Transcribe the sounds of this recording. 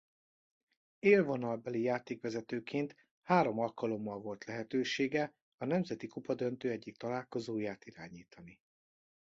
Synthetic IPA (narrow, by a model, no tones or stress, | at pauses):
eːlvo̞nɒlbɛlijaːt̪eːkʋɛzɛt̪øːkʰeːnt̪ | haːɾo̞mɒlkɒlo̞mːɒlvo̞lt̪lɛɦɛt̪øːʃeːɡɛ | ɒnɛmzɛt̪ikupɒd̪ø̞nt̪øːɛɟːik̚t̪ɒlaːlko̞zoːjaːt̪iɾa̰ːɲiːt̪ʰɒni